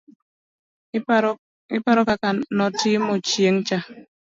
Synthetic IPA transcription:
ipaɾɔkakanɔtimot͡ʃieŋ̩t͡ʃa

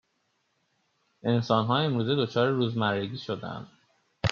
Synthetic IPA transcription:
ʔe̞nsɒːnɦɒːe̞mɾuːze̞d̪o̞t͡ʃʰɒːɾeɾuːzmæɾːeɟiːʃo̞d̪æ̰nd̪̥

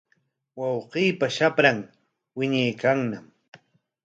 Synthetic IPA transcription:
wɑwqiːpaʃapɾaŋ | wɪɲajkaŋnam

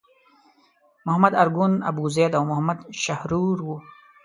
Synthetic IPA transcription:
mʊɦamad̪aɾɡuna̰buzed̪awmʊhamad̪ʃahɾuɾwu

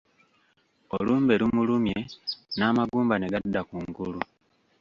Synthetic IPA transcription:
o̞luːmbe̞lumulumje̞naːmaɡuːmbane̞ɡadːakuŋɡulu

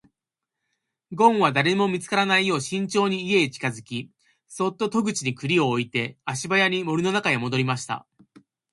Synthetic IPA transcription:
ɡõ̞ɰ̃βad̪aɾe̞mo̞mʲit͡sɨ̥kaɾanaijo̞ːɕĩɲ̟t͡ɕo̞ːɲ̟iːe̞t͡ɕi̥kazɨkʲi | so̞t̪ːo̞t̪o̞ɡɯ̟t͡ɕiɲ̟ikɯ̟ɾʲio̞ːit̪e̞aɕibajaɲ̟imo̞ɾʲɯno̞nakaemo̞d̪o̞ɾʲimaɕi̥t̪a̰

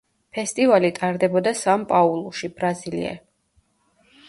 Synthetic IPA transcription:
pʰɛst̪ʼivalit̪ʼaɾd̪ɛbɔd̪asampʼaulˠuʃibɾazilḭɛ̰

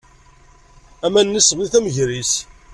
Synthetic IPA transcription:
æmænːəsmiθæməʝɾis

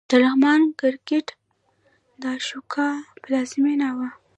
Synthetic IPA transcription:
d̪̥əɾahmɑnkɪɾkeʈ | d̪əɑʃukʰɑpəlɑzɪmenawa

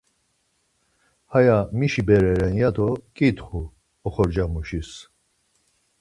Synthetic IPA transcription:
hajamiʃibɛɾɛɾɛnjad̪ɔkʼit̪χu | ɔχɔɾd͡ʒamuʃis

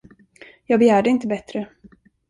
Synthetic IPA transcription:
jɑːɡbɛjæːɖəɪnt̪əbɛt̪ɾə

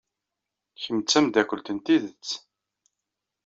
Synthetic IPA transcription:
çəmət͡sːæmd̪ækʷəlt̪ənt̪iðət͡sː

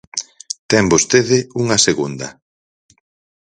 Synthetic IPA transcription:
t̪ɛmbost̪eðɪuŋɐseɣund̪ɐ

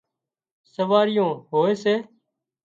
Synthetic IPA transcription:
səʋaːɾɪjõːhoːeːseː

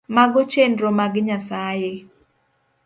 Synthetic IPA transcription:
maɡot͡ʃendɾomaɡɪɲasaje

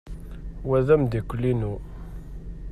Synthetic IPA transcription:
wæðæmd̪ikʷːəlːinu

